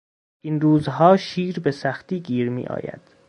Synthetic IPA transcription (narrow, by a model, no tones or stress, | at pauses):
ʔinruːzɦɒːʃiːɾbesæxt̪iːɡiːɾmḭːʔɒ̰ːjæ̰d̪̥